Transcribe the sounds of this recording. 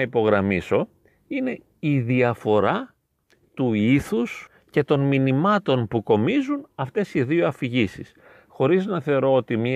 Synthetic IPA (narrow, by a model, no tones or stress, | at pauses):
ɐipo̞ɣɾɐmiso̞ | ine̞ | iðiɐfo̞ɾɐ | t̪uiθus | ce̞t̪o̞nminimɐt̪o̞npuko̞mizunɐft̪e̞siðioɐfiʝisis | xo̞ɾiznɐθe̞oɾo̞ot̪imɲi